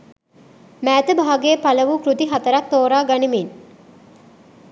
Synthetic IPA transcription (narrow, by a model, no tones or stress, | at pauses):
mæːt̪əbaɦaɡeːpaləʋukrud̪iɦat̪əɾak̚t̪ːoːɾaːɡanimin